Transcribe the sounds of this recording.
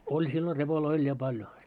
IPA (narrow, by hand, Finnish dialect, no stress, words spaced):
olʲ silːo repoloi olʲ jɑ pɑljo